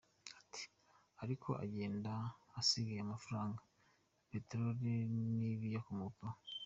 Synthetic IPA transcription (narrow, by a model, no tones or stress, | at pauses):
ḁtʰi̥ | aɾikʰo̞̰ʔa̰ɟe̞ːndaːsiɡajeamafuɾaːŋɡa | pe̞ːteɾoɾiniβijakumupo